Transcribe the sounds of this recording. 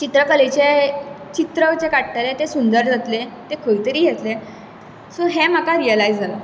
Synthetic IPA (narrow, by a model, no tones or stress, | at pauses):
t͡ɕit̪ɾəkəlet͡ɕet͡ɕit̪ɾəʋt͡ɕekaʈʈəlet̪esund̪əɾd͡zʱat̪let̪ekʰojt̪əɾiːɡʱet̪le | suɦem̤əkaɾiəlaid͡zd͡zʱala